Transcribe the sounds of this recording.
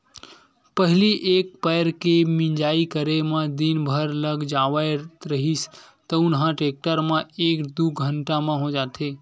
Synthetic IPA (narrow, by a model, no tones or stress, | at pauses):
pəɦiliʔek̚pəjɾkemĩnd͡ʒaːikəɾemãd̪inbʱəɾləɡd͡ʒaʋajɾəɦis | t̪əʊnɦãʈek̚ʈəɾmãekd̪uɡʱəɳʈamãɦod͡ʒat̪ʰe